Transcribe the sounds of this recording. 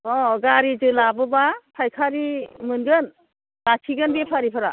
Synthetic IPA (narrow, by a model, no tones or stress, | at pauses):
ɔɡaɾizɯlabɯbapʰajkʰaɾimɯnɡɯn | lat͡ʃʰiɡɯnbepʰaɾipʰaɾa